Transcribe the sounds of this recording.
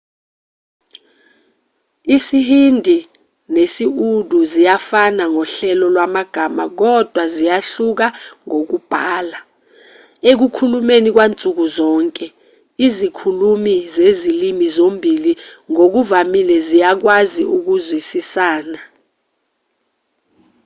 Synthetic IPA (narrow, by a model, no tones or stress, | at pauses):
isihindʱi | nesiudʱuzijafanaŋɔɬɛlɔlwamaɡ̥ʱama̰k̬ɔd̥ʱwazijaɬuk̬aŋok̬ub̥ʱaːla | ek̬ukʰulumenik̬want͡sʼuk̬uzɔːŋkʼɛ | izikʰulumizezilimizombʱiliŋok̬uvamilɛzijak̬waziuk̬uzwisisaːna